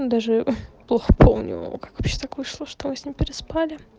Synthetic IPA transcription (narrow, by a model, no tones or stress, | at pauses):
d̪aʐɨplˠoxəpʰomnʲʊ̰kḁkvɐpɕːet̪akvɨʂlˠoʂt̪omɨsʲnʲimpʲɪɾʲɪspalʲɪ